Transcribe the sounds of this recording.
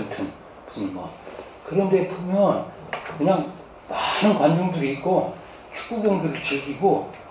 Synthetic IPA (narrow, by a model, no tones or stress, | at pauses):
ntʰɯn | pu̥sɯma̰ | kɯɾʌnde̞pʰomjʌn | kɯɲaŋ | manɯnkwand͡ʑoŋduɾiik͈o | t͡ɕʰu̥k͈̚uɡjʌŋdɯɾɯɭt͡ɕeɡiɡo